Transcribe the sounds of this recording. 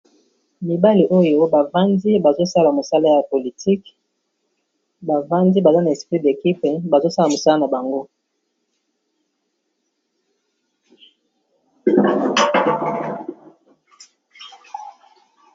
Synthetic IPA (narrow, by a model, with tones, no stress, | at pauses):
mi˨ba˦li˨ʔo˦jo˦ba˨va˦ndi˦ba˨zo˦sa˦la˨mo˨sa˦la˦ja˨po˨li˨ti˦k | ba˨va˦ndi˦ba˨za˦na˨e˨spʁi˦de˨ki˦pe˨ba˨zo˦sa˦la˨mo˨sa˦la˦na˨ba˨ŋɡo˦